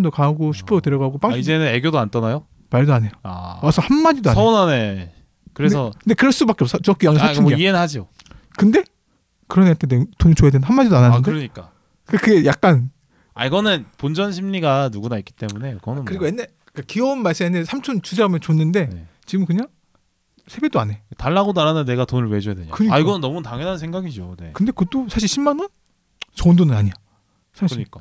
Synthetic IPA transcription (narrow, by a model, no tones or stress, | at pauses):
ndokaɡoɕʰi̥pʰʌdoteɾʌɡaɡop͈aŋʰid͡ʑenɯne̞ɡjodoant͈ʌnajo | maɭdoane̞joawasʰʌhanmad͡ʑidoasʰonane | kɯɾesʰʌkɯnde̞kɯɾʌɭs͈ubakeops͈ʰt͡ɕʌk͈ijʌŋeat͡ɕʰumiienɯhad͡ʑio | kɯnde̞ | kɯɾʌneatʰedetoŋit͡ɕojadwennhamːad͡ʑidoananɯndkɯeɾʌɲik͈a | kɯekɯɡe̞jak̚k͈an | a̰iɡʌnɯnpond͡ʑʌnɕʰimɲiɡanuɡunaik͈i̥t͈e̞mune̞kʌnɯkɯɾiɡoje̞nːaɭ | k͈akiʌɯnmaɭs͈ɯmeanːesʰamt͡ɕʰont͡ɕus̬ʰeɡamjʌnt͡ɕonːɯnde̞net͡ɕiɡɯmkɯɲaŋ | sʰe̞bed͈oane̞taɭːaɡonaɾananːe̞ɡatonɯɭmed͡ʑujadeɲo̰kɯɲiaiɡʌnɯnːʌmutaŋjenɦansʰeŋɡaɡid͡ʑone̞̰kɯnde̞kɯt͈osʰaɕ̬ʰiɭɕʰimːanʌn | t͡ɕʌɯndonɯnaɲija | sʰaɕiɲik͈a